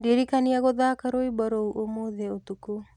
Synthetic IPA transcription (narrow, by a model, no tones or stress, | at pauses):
diɾikaniaɣoðaːkaɾoibaɾowʔomoðɛot̪uko